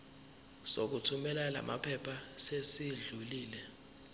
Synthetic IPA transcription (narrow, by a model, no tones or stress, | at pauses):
sok̬utʰumɛlala̰ma̰pʰɛpʰasesiɮuliːlɛ